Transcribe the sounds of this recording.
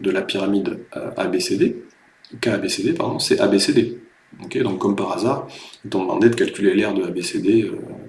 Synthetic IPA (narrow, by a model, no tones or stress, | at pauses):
d̪əlapiʁamid̪̰a̰besed̪e | kaːbesed̪epa̰ʁd̪ɔ̃sɛabesed̪e | ɔkʲed̪ɔ̃kkːɔmpaʁazaːʁit̪ɔ̃d̪əmɑ̰̃d̪ed̪əkalkʲylelɛʁd̪əabesed̪eø